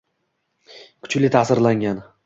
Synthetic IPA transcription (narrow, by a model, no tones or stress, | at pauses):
kʰʊ̥t͡ʃlɪt̪ʰasɪɾlaŋɡʲan